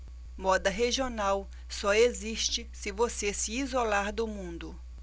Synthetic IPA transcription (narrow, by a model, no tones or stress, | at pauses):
mɔd̪ɐɦeʒionaw | sɔeziʃt͡ʃɪsɪvosesɪizolaɾd̪ʊmũnd̪ʊ